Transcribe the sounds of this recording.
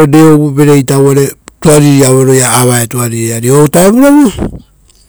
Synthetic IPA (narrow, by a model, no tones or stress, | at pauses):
odeobube̞ɾejtawaɾe̞tuaɾiɾiaβeɾo̞jaːβaetuaɾiɾiaɾiotaeβuɾaβo